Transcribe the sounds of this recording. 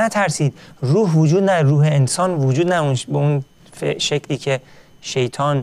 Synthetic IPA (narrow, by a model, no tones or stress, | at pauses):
æt̪ʰæɾsiːd̪̚ruːɦvod͡ʒuːd̪næɾuːɦeːnsɒːnvod͡ʒuːd̪næunʃbeun | feʃecʰliːcʰe̞ | ʃe̞jt̪ʰɒːn